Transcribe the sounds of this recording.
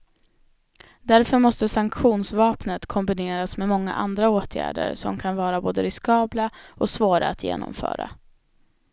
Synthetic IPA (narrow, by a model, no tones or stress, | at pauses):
d̪æɾfœɾmɔst̪əsaŋkɧuːnsvɑːpnət̪kʰɔmbɪneːɾasmɛmɔŋːa̰ʔand̪ɾaoːt̪ʰjæ̰ːɖə̰ɾsɔ̰mkʰanvɑːɾaboːd̪əɾɪskɑːblaɔsvoːɾa̰ːt̪jḛːnɔ̰mfœ̰ːɾa̰